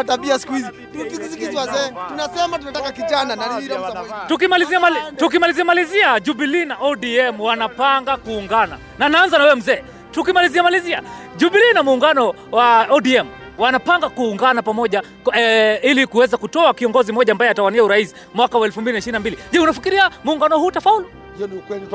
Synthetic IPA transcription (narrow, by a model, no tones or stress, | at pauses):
taɓiasi̥kuhizi | tukikisikiziwazɛtunasɛmatunatakakit͡ʃananaitukimaliziamatuk̬imaliziamaliziaʄuɓilinaʔɔɗiɛmwanapaŋɡakuːŋɡana̰ | nanaanzanawɛwɛm̩zɛː | tukimaliziamaliziaʄuɓilinamuːŋɡanɔ | waɔdiɛm | wanapaŋɡakuːŋɡanapamɔʄa | ilikuwɛzakutɔakiɔŋɡɔzimɔʄaːmbajɛatawaniauɾaisi̥mwakawaɛlfumbilinaiʃiɾinambiliʄɛunafikiɾiamuːŋɡanɔhuːtafaulu